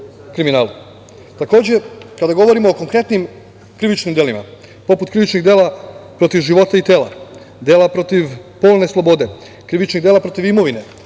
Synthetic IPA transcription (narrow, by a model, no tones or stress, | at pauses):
kɾiminaːlˠu | t̪ako̞ːd͡ʑe̞kad̪aɡo̞ʋo̞ɾimo̞ːko̞ŋkɾe̞t̪nim | kɾiʋit͡ʃnimd̪elima̰ | po̞put̪̚kɾiʋit͡ʃniɡd̪e̞ːlapɾo̞t̪iʋʒiʋo̞t̪ait̪e̞ːla̰ | d̪e̞ːlapɾo̞t̪iʋpo̞ːlˠne̞slˠo̞bo̞d̪e̞ | kɾiʋit͡ʃniɣd̪elapɾo̞t̪iʋimo̞ʋine̞